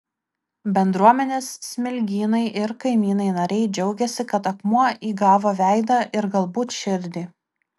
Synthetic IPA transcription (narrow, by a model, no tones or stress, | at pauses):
bʲɛnd̪ɾuɔmʲɛnʲeːssʲmʲɪlʲɡʲiːnɐɪʔɪɾkɐɪmʲiːnɐɪnɐɾʲɛɪd͡ʒʲɛʊɡʲɛsʲɪkɐt̪ɐkmuɔʔiːɡɑːʋoːʋʲæˑɪd̪ɑʔɪɾɡɐlˠbuːt̪ʃʲɪɾʲd̪ʲiː